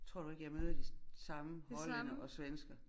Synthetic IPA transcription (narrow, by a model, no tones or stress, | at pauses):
t͡sʰʁo̝ɐ̰due̝ɡ̥əjɑ̈ɪmøːð̞ˠɐd̥isɑ̈məhɒ̽lɐnəʔɒ̽sʋensɡ̥ɐ